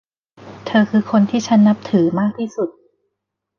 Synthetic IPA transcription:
t̪ʰɤː˧kʰɯː˧kʰo˧nt̪ʰiː˥˩t͡ɕʰa˦˥nːa˦˥p̚t̪ʰɯː˩˦maː˥˩k̚t̪ʰiː˥˩su˨˩t̪̚

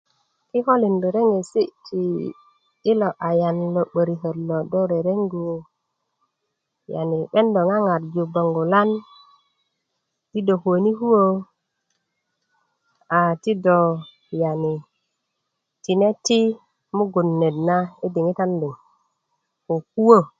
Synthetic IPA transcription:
ki˦ho˦li˨ndu˨ɾe˦ŋe˨si˦ʔtʰiː˨˦ | lo˨ʔa˨ja˨nlo˨ɓə˨ɾi˨ɦə˨dlo˨do˦ɾe˨ɾe˦ŋɡu˨ | ja̰˨ni˨ɓe˦ndo˨ŋa˦ŋa˨ɾd͡ʒu˨ba˨ŋɡu˨la˦n | ti˦do˨ho˨ni˦hu˦wo˦ | a˨ti˦do˨ | ja˨ni˨ | ti˨ne˦ti˦ | mu˦ɡu˨nːe˨dna˦i˦di˨ŋi˦ta˦ndu˨ŋ | ko˨ku˦wo˦

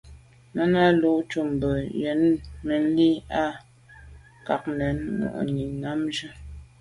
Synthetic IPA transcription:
na˦na˦lo˦ʔt͡ʃu˨m˨bə˨jɛ˨˦nmə˨n̩˦li˦a˦ | ka˨k̚nɛ˨˦nmṵ˨ʔə̰˨ni˨na˨˦mʒə˦

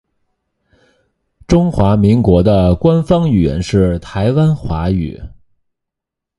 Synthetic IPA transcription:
ʈ͡ʂʊ˥ŋxwa˧˥mi˧˥ŋkwɔ˧˥d̪ə˧kwa˥nfɑ˥ŋy˨˩jɛ̰˧˥nʂɻ̩˥˩t̪ʰa˧˥ɪwa˥nxwa˧˥y̰˨˩˦

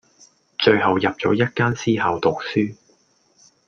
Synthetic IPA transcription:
t͡ʃɵ˧ɥhɐ˨wjɐ˨p̚t͡ʃɔ̰ː˨˥jɐ˥t̚kaː˥nsiː˥hɐ˨˧wt̪ʊ˨k̚syː˥

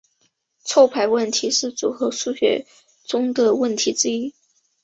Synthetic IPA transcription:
t͡sʰo˥˧ʊpʰa˧˥ɪwə˥˩nt̪ʰi˧˥ʂɻ̩˥˩t͡su˨˩xɤ˧˥ʂu˥˧ɕɥɛ̰˨˩ | ʈ͡ʂʊ˥ŋd̪ə˨wə˥˩nt̪ʰi˧˥ʈ͡ʂɻ̩˥i˥

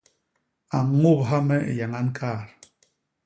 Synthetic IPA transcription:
a˨ŋo˦˨pɦa˦mɛ˦ḛ˨ja˨ŋa˦n˦kʰa˦˨ɾ

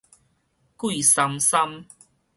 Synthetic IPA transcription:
kwi˥˨sa˧msa˦m

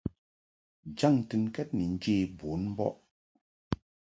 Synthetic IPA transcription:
d͡ʒa˦˨ŋ˨tɨ˨nkɛ˦t̚ni˨n̩˦d͡ʒe˦˨bo˨˦nm̩˦bɔ̰˦ʔ

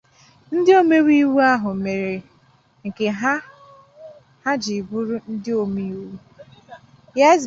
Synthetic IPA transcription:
n̩˦dɪ˦o˦me˦wi˦wu˦a˦ɦʊ˨me˨ɾe˨ | ŋ̩˨ke˨ɦa˦ | ha˦d͡ʒi˨bu˦ɾu˦n̩˦dɪ˦o˦mi˦wu˦ | ja˦z

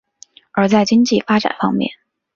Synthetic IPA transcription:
ə˞˨˧˥t͡sa˥˩ɪt͡ɕi˥ŋt͡ɕi˥˩fa˥ʈ͡ʂa̰˨˩nfɑ̰˥ŋmjɛ̰˥˩n

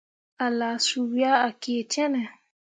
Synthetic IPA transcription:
a˨la˨su˨wi˦a˦a˨ki˨e˨t͡ʃɛ̃˦nɛ˨

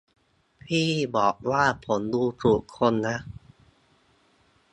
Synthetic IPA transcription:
pʰiː˥˩bɔː˨˩k̚waː˥˩pʰo˩˦nduː˧t̪ʰɾu˨˩kʰːo˧nːa˦˥ʔ

